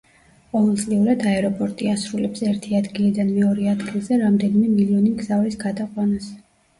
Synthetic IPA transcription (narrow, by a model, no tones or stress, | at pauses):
qʼɔvɛlˠt̪sʼliuɾad̪aɛɾɔpʼɔɾt̪ʼiasɾulɛpsɛɾt̪ʰiad̪ɡilid̪anmɛɔɾɛad̪ɡilˠzɛɾamd̪ɛnimɛmiliɔnimɡzavisɡad̪aqʼwanas